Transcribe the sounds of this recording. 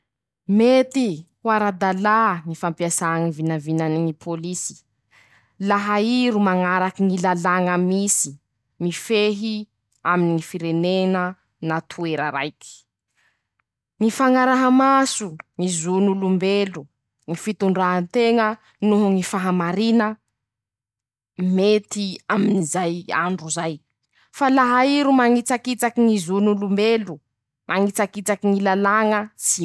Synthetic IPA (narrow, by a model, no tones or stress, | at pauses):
met̪i | waɾad̪alaŋifampiasaŋivinavinaniŋipʰolisi̥ | laɦaiɾumaŋaɾakiŋilalaŋəmisi̥ | mifeɦi | aminiŋifiɾenenə | nat̪ʰueɾə̰ɾa̰jki̥ | ŋifaŋaɾaɦamasuŋizunulumbelu | ŋifit̪uɳɖ͡ʐaɦant̪eŋə | nuɦŋifaɦamaɾinə | met̪iaminizaja̰ɳɖ͡ʐuzaj | falaɦaiɾumaŋit͡sakit͡sakiŋizunulumbelu | mʔaŋit͡sakit͡sakiŋilalaŋəsi